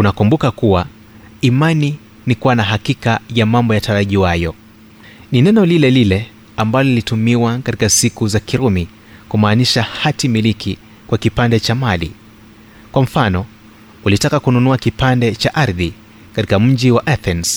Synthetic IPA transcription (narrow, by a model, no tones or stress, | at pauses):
unakumbukakuwa | imani | nikuwanaɦakikajamambɔjataɾaʄiwajɔ | ninɛnɔlilɛlilɛ | ambalɔilitumiwakati̥kasikuzakiɾumi | kumaːniʃahatimilikʰi | kwakipandɛt͡ʃamalḭ | kwam̩fanɔ | ulitakakununuakipandɛt͡ʃaʔaɾði | katikam̩d͡ʒiwaʔaθɛns